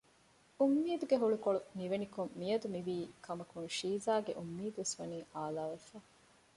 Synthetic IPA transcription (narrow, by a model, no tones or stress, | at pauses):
umːiːd̪uɡeɦuɭukoɭuniʋenikumːijɐd̪umiʋiːkɐmɐkunʃiːzaːɡḛʔumːiːd̪uʋesʋɐniːʔaːlaːʋefaː